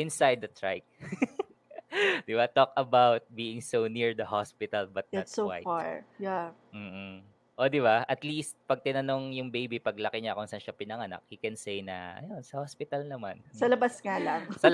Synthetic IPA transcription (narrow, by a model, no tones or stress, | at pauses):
ʔɪ̃nsajd̪̚ːɐt̪ɹa̰jk̚ | d̪ɪbat̪okɐbawt̪̚biːʔɪŋsowniɹd̪ɐɦospɪt̪ɐlbɐt̪̚ɐtsowa̰jaɹja | m̩ː | ʔo̞d̪ɪbaʔɐt̪list̪̚pɐɡ̚t̪ɪnɐno̞ŋjʊŋbejbipɐɡlɐkɪɲakʊŋsɐnʃɐpɪnɐŋɐna̰k̚hikɛnsejnɐ̰ʔɐ̰jo̞nsɐhospɪt̪ɐlnɐmansɐlɐbɐsŋalɐŋsɐ